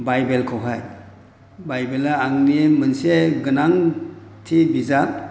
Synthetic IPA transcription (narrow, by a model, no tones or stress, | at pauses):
bajbelkʰɯwɦaj | bajbelaaŋnimɯnseɡɯnaŋtʰibiza